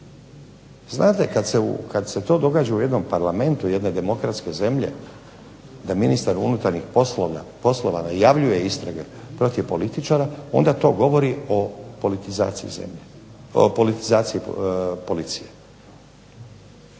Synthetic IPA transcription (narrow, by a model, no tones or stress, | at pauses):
znʔaːt̪e̞kaseṵkad̪se̞t̪o̞ːd̪o̞ɡaːd͡ʒauje̞d̪no̞mpaɾlame̞nt̪uje̞d̪ne̞d̪e̞mo̞kɾat̪ske̞ze̞mʎe̞̰ | d̪aminist̪aɾunut̪aɾɲixposlopo̞slo̞ʋanajaʋʎuje̞ist̪ɾaɡe̞ | pɾo̞t̪iʋpo̞lit̪it͡ʃaːɾao̞̰nd̪at̪o̞ːɡo̞ʋo̞ɾiopolit̪iza̰ːt̪siḭzḛm | o̰po̞lit̪izaːt̪sijipo̞lit̪sije